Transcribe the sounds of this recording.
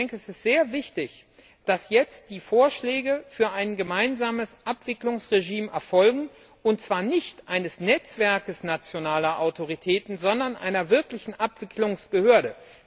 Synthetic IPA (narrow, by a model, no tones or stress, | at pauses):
ɛŋkəɛsɪstz̥eːɐvɪçtɪç | d̥asjɛt͡std̥iːfoːɐʃlɛːɡəfyːɐʔaɪnɡəmaɪnzaːməsʔapv̥ɪklʊŋsʁeʒiːmɛɐfɔlɡŋ̩ | ʔʊntt͡sv̥aːɐnɪçtʔaɪnəsnɛt͡sv̥ɛɐkəsnat͡sjonaːlɐʔaʊtʰoʁ̞itʰɛːtn̩zɔndɐnʔa̰ɪnɐvɪɐklɪçn̩ʔapv̥ɪklʊŋsb̥əhøːɐɾə